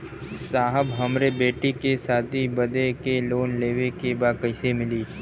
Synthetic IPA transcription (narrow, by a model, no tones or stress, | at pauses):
saːɦəbɦɐmɾebeːʈikesaːt̪ʰibɐd̪ekeloːnleːʋekebaːkɐɪsemɪliː